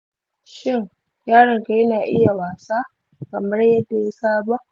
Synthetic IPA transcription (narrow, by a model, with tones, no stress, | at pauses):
ʃɪ˦ŋ | jaː˦ɽɪ˨ŋka˨jɐ˦naː˨ʔɪ˦ja˨waː˨saː˦ | kɐ˨mɐ˦rjɐ˦dːa˨ji˦saː˦ba˦ʔ